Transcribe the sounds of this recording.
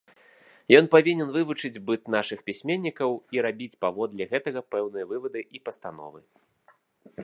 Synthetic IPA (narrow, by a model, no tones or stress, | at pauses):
jɔnpavʲinʲɛnvɨvut͡ʂɨd͡zʲbɨt̪naʂɨxpʲisʲmʲenʲːikɐwiɾabʲit͡sʲpavɔd̪lʲɛɣɛt̪ɐɣɐpɛwnɨjɐvɨvɐd̪ɨʔipɐst̪anɔ̰vɨ